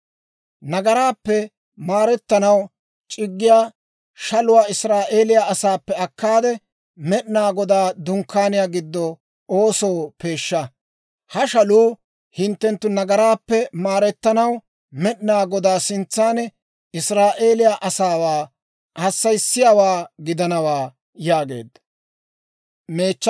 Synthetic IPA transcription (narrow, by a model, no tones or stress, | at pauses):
nɐɡɐɾaːpːɛ | maːɾɛt̪ːɐnɐw | t͡ʃʼɪɡːɪjaː | ʃɐlʊwaːɪsɾaːʔeːlɪjaɐsaːpːɛɐkːaːd̪ɛ | mɛɗɪnaːɡɔd̪aːd̪ʊŋkːaːnɪjaːɡɪd̪ːɔ | oːso̞ːpe̞ːʃːɐ | hɐʃɐluː | hɪnt̪ːɛnt̪ːʊnɐɡɐɾaːpːɛmaːɾɛt̪ːɐnɐw | mɛɗɪnaːɡɔd̪aːsɪnt͡sːaːnɛ | ɪsɾaːʔe̞ːlɪjaʔɐsaːwaː | hɐsːɐjsːɪjaːwaːɡɪd̪ɐnɐwaː | jaːɡe̞̰ːd̪ːɐ | meːt͡ʃː